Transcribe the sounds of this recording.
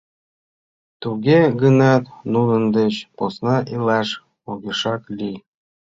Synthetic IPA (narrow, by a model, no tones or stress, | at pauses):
t̪uɡʲeɡənɑt̪nunə̆nd̪ĕt͡ɕposnɑʔilɑʃ | oɣʲeʃɑkli